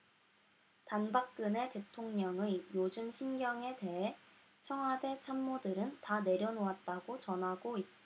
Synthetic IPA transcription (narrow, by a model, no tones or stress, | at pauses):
tanbak̚k͈ɯne̞te̞tʰoŋɲʌŋɯjod͡ʑɯmɕʰinɡjʌŋe̞te̞ɦe | t͡ɕʰʌŋɦwade̞t͡ɕʰamːodɯɾɯntane̞ɾjʌnoat̚t͈aɡot͡ɕʌnɦaɡoit̚t͈